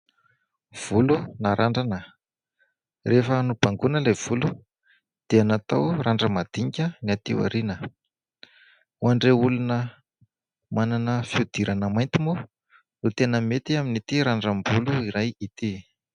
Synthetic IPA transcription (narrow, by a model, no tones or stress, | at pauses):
v̥ulunaɾʔaɳɖ͡ʐanə | refənub̥aŋɡunəlav̥ulu | d̪̥eanat̪awraɳɖ͡ʐəmad̪̥iɲikʲəniat̪iwa̰ɾinə | uaɳɖ͡ʐeulunə | mananəfiud̪iɾʔanəmajnt̪imu | nut̪enəmet̪iaminit̪iɾaɳɖ͡ʐambuluiɾajit̪i